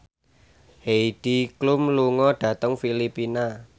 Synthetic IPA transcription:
heid̥iklumluŋɔɖ̥ä̤t̪əŋfilipina

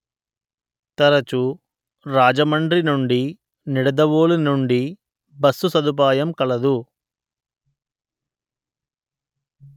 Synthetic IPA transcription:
t̪ɐɾɐt͡ʃu | ɾaːd͡ʒɐmɐɳɖɾinuɳɖi | niɽɐd̪ɐʋoːlunuɳɖi | bɐsːusɐd̪up̬aːjɐmkɐlɐd̪u

